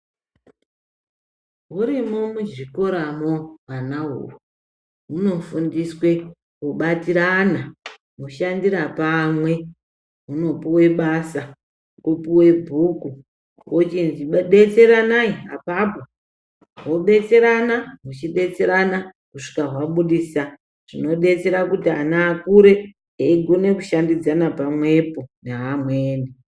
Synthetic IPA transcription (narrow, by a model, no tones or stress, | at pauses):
ɦuɾimomud͡ʒiko̞ɾamowanaɦṵːwo | muno̞fundiswe̞ | kuɓatiɾana | muʃandiɾapamwe̞ | muno̞puwe̞ɓasa | kupuwe̞bʱuku | wot͡ʃind͡ʒiɓɓe̞t͡se̞ɾanaia̰papo | ɦo̞ɓe̞t͡se̞ɾanamut͡ʃiɗe̞t͡se̞ɾana | kuʂi̥kaɦwaɓuɗisa | ʐ̥ino̞ɗe̞t͡se̞ɾakutianaːkuɾe̞ | eiɡʱo̞ne̞kuʃandid͡zanapamwe̞po̞neɦamweːni